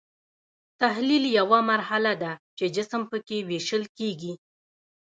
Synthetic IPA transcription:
t̪aɦliljawamaɾhalad̪at͡ʃed͡ʒɪsəmpəkeweʃəlkeɡi

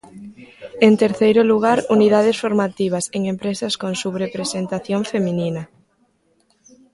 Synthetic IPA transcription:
ent̪eɾθejɾʊluɣ̞aɾuniðað̞esfoɾmat̪iβ̞ɐseŋempɾesɐskõŋsuβɾepɾesent̪aθjoɱfemĩninɐ

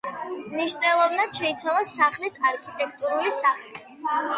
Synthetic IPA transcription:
mniʃnɛlˠɔvnad̪ʃɛit̪sʰwalˠasaχlisaɾkʰit̪ʼɛk̚ʰt̪ʼuɾulisaχlɛ

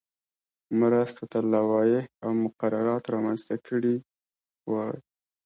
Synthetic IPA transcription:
mɾast̪at̪alawɑjehawmʊqaɾaɾɑt̪ɾɑmanzt̪akʰəɽi | wa

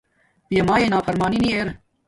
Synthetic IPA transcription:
pijɐmaːjeːnaːfɐɾmaːninieːɾ

